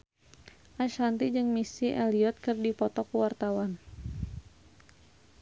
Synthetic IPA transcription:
ʔaʃant̪id͡ʒɨŋmisiʔɛliɔt̪̚kɨrdipɔt̪ɔkuwart̪awan

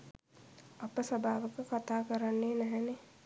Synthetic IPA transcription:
ɐpəsɐbʱaːʋəkəkɐt̪aːkəɾanːeːnɛɦɛne

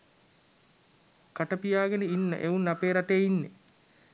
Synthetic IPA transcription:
kaʈəpijaːɡenəinːə̰ʔeunːapeːɾaʈeːinːḛ

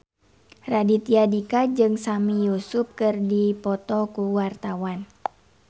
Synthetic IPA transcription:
radit̪iadikad͡ʒɨŋsamijusup̚kɨrdipɔt̪ɔkuwart̪awan

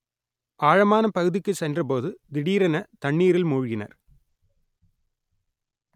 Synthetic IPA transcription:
ʔaːɻɐmaːnɐpɐɣɯðɪkːɯsɛndrɐp̬oːðɯd̪ɪɽiːɾɐnɐt̪ɐɳːiːɾɪlmuːɻʊɣɪnɐ̰ɾ

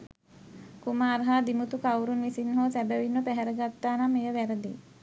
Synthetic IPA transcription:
kumaːrɦaːd̪imut̪ukawɾunʋisinɦoːsæbəʋinːʋəpæɦæɾəɡat̪ːaːnamːejəʋæɾəd̪ḛ

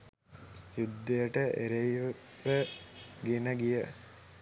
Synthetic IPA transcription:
jud̪ːejəʈəʔeɾeiʋ | ʋəɡinəɡijə

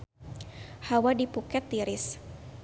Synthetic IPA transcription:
hawadipukɛt̪ːiɾɪs

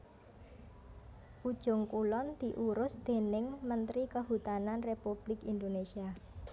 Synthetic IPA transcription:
ʔud̥ʒ̥ʊŋkulɔnd̪̥i̤ʔuɾʊsd̪̥e̤nɪŋmənt̪ɾikəɦut̪ananrepub̥lɪkind̪onesia

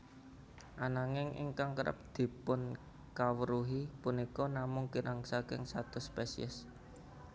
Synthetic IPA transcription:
ʔanaŋɪŋʔḭŋkaŋkəɾʔə̰p̚d̪̥i̤pʊn | kawəɾuɦipunikɔnamʊŋkiɾaŋsakɪ̰ŋsat̪ʊspesḭə̰s

